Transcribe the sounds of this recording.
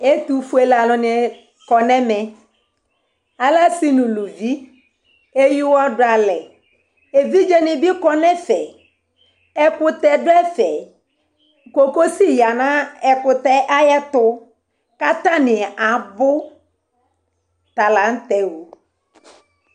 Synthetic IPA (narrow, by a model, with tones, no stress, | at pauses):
e˦t̪u˨fu˦e˨la˨lʊ˨nɪ˨ɛ˨ | kɔ˨nɛ˦mɛ̃˨ | a˨la˦si˦nũ˨lu˨vi˦ | e˦ji˦wa˦dʊ˦a˨lɛ˨ | e˨vi˦d͡ʒe˦nɪ˨bi˦kɔ˦nɛ˦fɛ˨ | ɛ˨kʊ˨t̪ɛ˨dʊ˦ɛ˦fɛ˨ | ko˨ko˦si˦ja˨nã˦ɛ˨kʊ˨t̪ɛ˦ʔa˦jɛ˦t̪ʊ˦ | ka˦t̪a˦nɪ˨a˨bʊ˦ | t̪a˨la˨n̩˦t̪ɛ˨wo˨